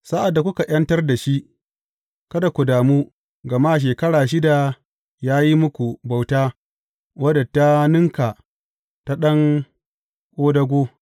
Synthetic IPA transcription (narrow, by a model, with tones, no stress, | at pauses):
sa˦ʔa˨dːa˨kʷʊ˦ka˨ʔj̰ɐ˦ntɐ˦rda˨ʃi˦ʔ | kɐ˦da˨kʷu˨daː˨muː˦ | ɡɐ˨maː˦˨ʃ̬eː˨kɐ˦ɽaː˨ʃ̬ɪ˦da˨ | jaː˦ji˦mʊ˦kʷu˨ba˨wtaː˦ | wɐ˦da˨ta˦nɪ˦ŋka˨ | ta˦ɗɐ˦ŋ | kʷʼoː˦dɐ˦ɡʷoː˦